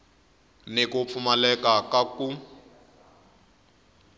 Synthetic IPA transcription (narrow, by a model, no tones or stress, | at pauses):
nekup̪fʰumalɛkakaku